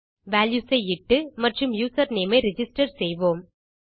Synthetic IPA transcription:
ʋaːljuːsɐɪɪʈːɯmɐʈrɯmjuːsɐɾneːmɐɪɾɪd͡ʒɪsʈɐɾsɛjʋoːm

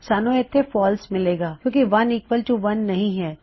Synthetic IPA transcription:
saːnõɛt̪ʰːefɔːlsmɪleːɡaːkjõːkiʋɐnikʋəlʈuʋɐnːɐɦĩɦɛː

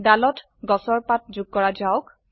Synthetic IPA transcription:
dalɔt | ɡɔsɔɹpat̚zuɡ̚kɔɹad͡ʒaʊk

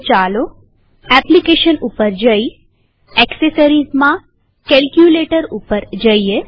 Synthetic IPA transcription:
t͡ʃalo | ɛplikeʃənupəɾd͡ʒəi | ɛksesəɾizmã | kɛlkjuleʈəɾupəɾd͡ʒəie

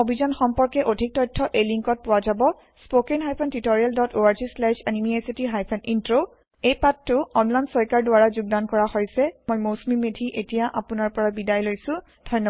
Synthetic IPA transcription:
obʱizɔnxɔmpɔɹkɛʔodʱik̚tɔjtʰːɔʔejliŋkɔt̚pʊwazabɔ | spokenɦajpʰɛntitoɹialdɔtoaɹzislɛʃanimiesitiɦajpʰɛnintɹo | ejpatːʊɔnlansɔjkaɹdʊaɹazuɡ̚dankɔɹahojsɛmojmosmimedʱiʔetijaʔapʊnaɹpɔɹabidajlojsʊ̃ | dʱɔjnːɔ

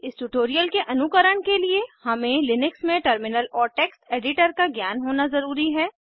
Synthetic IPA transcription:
ɪsʈuʈoːɾijəlkeʔɐnʊkəɾəɽ̃keliehɐmẽlɪnɪksmẽʈəɾmɪnəlɔːɾʈɛːksʈeːɖɪʈəɾkaɡjaːnɦoːnazɐɾuːɾiɦɛː

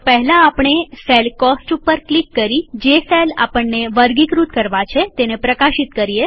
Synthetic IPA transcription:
pəɦlãːpɳ̃eselkɔsʈupːəɾklikːəɾid͡ʒesela̰pəɳːeʋəɾɡikɾut̪̚kəɾʋat͡ʃʰet̪enepɾəkaʃit̪kəɾije

